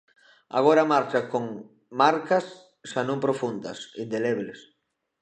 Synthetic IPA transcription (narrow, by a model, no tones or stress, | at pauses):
a̰ɣ̞oɾamaɾt͡ʃakoŋ | maɾkɐs | ʃanõmpɾofund̪ɐ̰sind̪eleβles